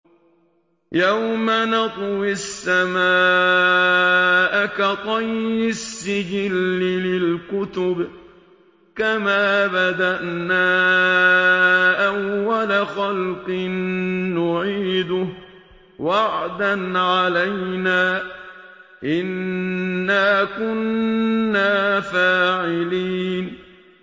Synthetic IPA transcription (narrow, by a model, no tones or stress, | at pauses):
jawmanɑt̪ˤwɪsːamaː | ʔakat̪ˤɑjːɪsːɪd͡ʒɪlːɪlɪlkʊt̪ʊb | kamaːbad̪aʔnaː | ʔawːalaxalqɨnːʊʕiːd̪ʊh | waʕd̪anʕalajnaː | ʔɪnː | aːkʊnː | aːfaːʕɪliːn